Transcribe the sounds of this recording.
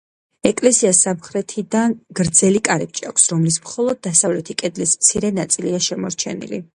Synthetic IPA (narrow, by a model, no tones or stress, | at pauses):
ɛkʼlɛsiasamχɾɛt̪ʰid̪anɡ̥ɾd̪zɛlikʼaɾɛp̚t͡ʃʼa̰kʷʰsɾɔmlismχɔlˠɔd̪̚ːasavlɛt̪ʰikʼɛd̪lismt̪sʰiɾɛnat̪sʼiliaʃɛmɔɾt͡ʃʰɛ̰nḭlḭ